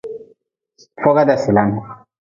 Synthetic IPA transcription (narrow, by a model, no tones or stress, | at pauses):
foɡad̪asilan